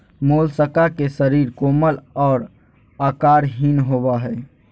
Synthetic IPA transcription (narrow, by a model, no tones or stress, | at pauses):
moːlsəkakesəɾiːɾkoːməlɔːɾ | aːkaːɾɦinɦoːbaɦɛː